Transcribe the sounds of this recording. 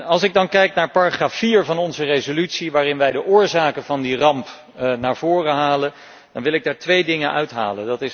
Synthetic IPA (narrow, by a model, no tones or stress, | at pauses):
ɑlˠsɪɡ̚dɑnkɛjknaːɹpaːraχraːfiːɹvɑnɔnzərejzolytsiʋaːrɪnʋɛjdəʔʊːɹzaːkəvɑndirɑmp | naːɹvʊːrəɦaːlən | d̥ɑnʋɪlɪɡ̚daːɹtʋejdɪŋənœɥtɦa̰ːləndɑtɪs